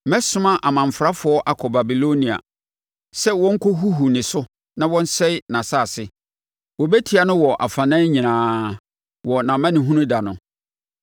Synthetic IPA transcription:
mɛ̃˦sʊ̃˦mã˦ʔa˨mã˨ɱ˨fɾa˦fʊ˨˦ɔ˦ʔa˨kʰɔ˨ba˨bi˨lo˦nĩ˨a̰˨ | sɛ˦wɔ̃˦ŋ̩˦kʰɔ˦ɦu˦ɦu˨nɪ̃˨sʊ˦ | nã˦wɔ̃˦n̩˦sɛ˦ɪ˦nã˨sa˦˨sɪ˦ | wɔ˨bɛ˦tʰi˦a˨nʊ̃˦wɔ˨ʔa˨fã˨nã˦ɲĩ˨nãː˨˦ | wɔ˨nã˨mã˦nɪ̃˨ɦũ˦nũ˦da˨nʊ̃˨

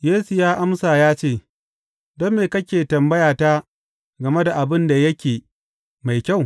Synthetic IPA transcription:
jeː˦su˨jaː˦ʔa˦msaː˨jaː˦t͡ʃeː˦˨ | dɔ˦mːeː˨kɐ˦kʲeː˨tɐ˨mbɐ˦jaː˨taː˦ | ɡɐ˨me˦da˨ʔa˨bɪ˦nda˨jɐ˦kʲeː˨ | ma˨jkʲa˦˨w

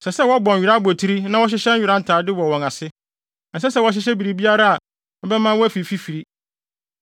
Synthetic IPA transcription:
sɛ˨sɛ˦˨wɔ˦bɔ̃˨nᶣ˨i˨ɾa˦bo˨tʰi˦ɾi˦nã˦wɔ˦ɕ̬ɪ˦ɕɛ̃˦n̩˦ɥi˨ɾa˦n̩˦tʰaː˨dɪ˦wɔ˨wɔ̃˨ŋa˨sɪ˦˨ | n̩˨s̬ɛ˦sɛ˦wɔ˦ɕ̬ɪ˦ɕ̬ɛ˦bi˨ɾi˨bi˦a˦ɾa˦a˨ | ɔ˦bɛ˦mã˦wɔ˦æ˦fi˨fi˦fi˨ɾi˦

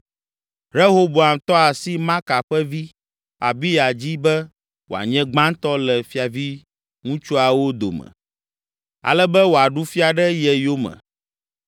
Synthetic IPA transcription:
ɾe˦ɦo˦bo˨a˨mt̪ɔ˦a˨si˦mã˦ka˨ɸɛ˦vi˦ | a̰˨bi˦ja˨d͡ʑi˦bɛ˦ | wo˨a̰˨ɲɛ̃˦ɡ͡bã˦ŋ˦t̪ɔ˦lɛ˨fi˦a˨vi˦ | ŋũ˦t͡ʃu˦a˨wo˦d̪o̰˨mɛ̰̃˨ | a̰˨lɛ˦bɛ˦wo˨a˨ɖu˦fi˦a˨ɖɛ˦jɛ˨jo˦mɛ̰̃˨

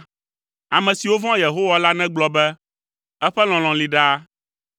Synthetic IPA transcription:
a˨mɛ̃˨si˨wo˦vɔ̃˦je˨ɦo˦wa˦la˦nɛ̃˦ɡ͡blɔ˨bɛ˦ | ɛ˦ɸɛ˦l̃ɔ̃˨l̃ɔ̃˨li˨ɖa˦

